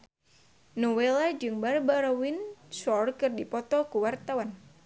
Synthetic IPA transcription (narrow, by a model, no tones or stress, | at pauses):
nɔwelad͡ʒɨŋbarbaɾɔwinsɔrkɨrdipɔt̪ɔkuwart̪awan